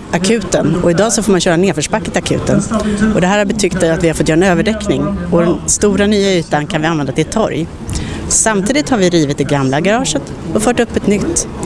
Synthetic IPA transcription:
ʔakʰʉ̟ːt̪ənɔɪd̪ɑːsɔfoːɾmanɕœːɾaɛneːɾfəʂpakːət̪ʰɪakʰʉ̰ːt̪ənɔd̪ɛɦæːɾhaɾbɛt̪ʰʏkt̪ɛjat̪vɪhaɾfɔt̪jœːɾaɛnøːvəɖɛknɪŋɔd̪ɛnst̪uːɾanyːaʉ̟ːt̪ːankʰanvɪanvɛnd̪at̪ʰɪlt̪ʰːɔ̰ɾj | samt̪ʰiːd̪ɪt̪haɾvɪɾiːvɪt̪̚d̪ɛɡamlaɡaɾɑːʂət̪ | ɔfœːʈɵpːɛt̪nʏt̪ː

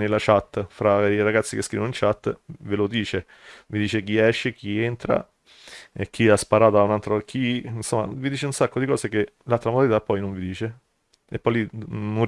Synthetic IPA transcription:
nelːat͡ʃat̪ːfɾaiɾaɡat̪sːikeskɾḭːvonoint͡ʃat̪ːvelod̪iːt͡ʃe | vid̪iːt͡ʃek̟iɛʃːek̟ʰient̪ɾa̰ | ek̟ːiaspaɾaːt̪oaunalt̪ɾok̟insomːa̰vid̪iːt͡ʃeunsakːod̪ikɔːsek̟e | lalt̪ːɾamod̪alit̪apːɔjnõɱvid̪iːt͡ʃe | epːɔjlino

